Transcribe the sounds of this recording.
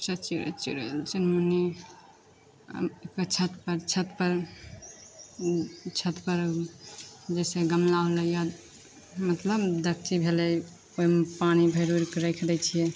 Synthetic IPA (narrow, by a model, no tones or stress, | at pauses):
sət͡ʃiɾə̰t͡ʃḭɾə̰lt͡ʃinmuni | kət͡ʃʰət̪pəɾt͡ʃʰət̪pəɾ | t͡ʃʰət̪pəɾ | d͡ʒɛseɡəmlaləja | mət̪ləbd̪ək̚ʰt͡ʃibʱelɛj | oimpanibʱəɾuɾkɾekʰd̪ɛt͡ʃʰije